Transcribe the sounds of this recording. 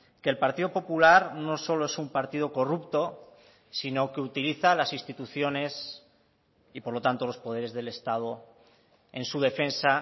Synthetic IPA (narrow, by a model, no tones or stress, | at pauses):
ke̞lpaɾt̪iðo̞po̞pulaɾno̞so̞lo̞e̞sumpaɾt̪ið̞o̞ko̞rupt̪o̞ | sino̞keut̪iliθalasinst̪it̪uθjo̞ne̞s | ipo̞ɾlo̞t̪ant̪o̞lo̞spo̞ð̞e̞ɾe̞zðe̞le̞st̪að̞o̞ | e̞̰nsuð̞e̞fẽ̞nsa